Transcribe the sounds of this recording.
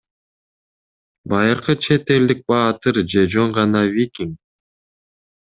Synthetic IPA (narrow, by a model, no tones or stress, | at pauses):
bɑjɯɾqɯt͡ʃʰe̞t̪e̞ld̪ik̚bɑːt̪ɯɾd͡ʒe̞d͡ʒo̞ɴʁɑnɑvʲikʲiŋ